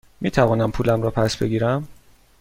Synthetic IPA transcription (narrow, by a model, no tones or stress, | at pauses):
miːt̪ʰævɒːnæmpʰuːlæmɾɒːpʰæsbe̞̰ɡiːɾæm